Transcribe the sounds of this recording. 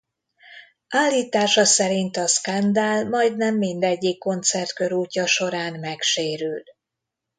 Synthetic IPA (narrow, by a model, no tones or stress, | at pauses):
ʔaːlːiːt̪aːʃɒsɛɾint̪ɒskand̪almɒjd̪nɛmːind̪ɛɟːikːo̞nt̪sɛrt̪kø̞ɾuːcːɒʃo̞ɾaːnmɛkʃeːɾyld̪